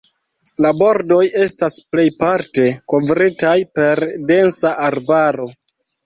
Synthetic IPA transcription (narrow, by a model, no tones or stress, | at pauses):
labo̞ɾdo̞je̞stasple̞jpaɾte̞ko̞vɾitajpe̞ɾde̞nsaʔaɾbaɾo̞